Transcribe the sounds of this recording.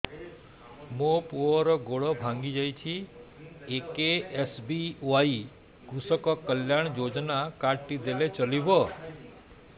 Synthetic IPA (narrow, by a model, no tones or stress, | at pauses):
mõpuɔɾɔɡoɭɔbʱãŋɡid͡ʒajt͡ʃʰi | ekeesbiʋai | ɡ̥usɔkɔkəljaɳ̃d͡ʒod͡ʒnakaʈːid̪elet͡ʃəlibɔ